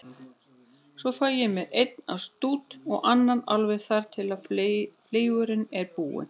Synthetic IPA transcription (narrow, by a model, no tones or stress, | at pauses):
svɔfaːjɛmɛðejt̪na̰wst̪uːt̪ɔɣʔanːanalvɛɣθaɾ̥t̪ʰɪlaðfleːjɣʏɾɪnɛɾpuːwɪ̰